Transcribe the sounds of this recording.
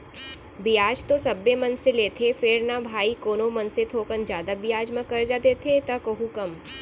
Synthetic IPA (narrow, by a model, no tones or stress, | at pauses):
bɪjaːd͡ʒt̪osɐbːemɐnseleːt̪ʰefɪɾnabʱaːikoːnomɐnset̪ʰoːkənd͡ʒjaːd̪abɪjaːd͡ʒmãkɐɾd͡ʒaːt̪eːt̪ʰet̪ɐkɐɦũkɐm